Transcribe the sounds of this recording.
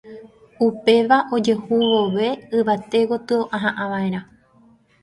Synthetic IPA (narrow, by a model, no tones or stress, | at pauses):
upe̞ʋaʔo̞d͡ʒe̞huʋoʋe̞ɨʋat̪e̞ɣo̞t̪ɨoʔãɦãʔãʋaẽ̞ɾã